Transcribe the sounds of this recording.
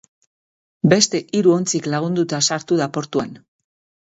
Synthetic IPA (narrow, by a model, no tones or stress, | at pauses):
be̞st̪e̞ʔiɾuo̞nt͡siklaɣ̞und̪ut̪asaɾt̪uðapo̞ɾt̪uan